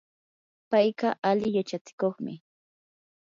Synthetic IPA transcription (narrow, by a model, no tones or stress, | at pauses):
pajkɑʔalɪjat͡ʃat͡sɪ̥koχmɪ̰